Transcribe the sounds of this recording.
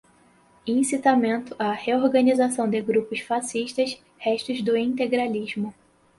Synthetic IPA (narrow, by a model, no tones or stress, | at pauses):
ĩsit̪amẽnt̪ʊʔaheoɾɡɐnizasɐ̃w̃d̪ɪɡɾupʊsfasiʃt̪ɐs | hɛʃt̪ʊzd̪ʊĩnt̪eɡɾaliʒmʊ